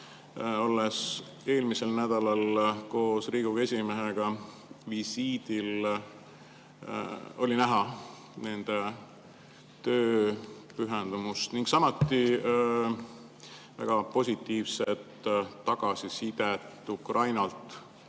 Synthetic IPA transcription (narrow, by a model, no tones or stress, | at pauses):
o̞lːes | e̞ːlmise̞lnæd̪̥ɑlɑlko̞ːsriːɡuɡe̞sʲimeɦeɡ̥ɑ | visiːd̪̥il | o̞linæɦɑ | ne̞nd̪̥e | t̪øːpyɦend̪̥umust̪niŋɡ̥sɑmot̪ːi | væ̰ɡ̥ɑpo̞sʲit̪ːˑiːvset̪ːɑɡ̥ɑsisid̪et̪ːˑukrɑjnɑlt̪ˑ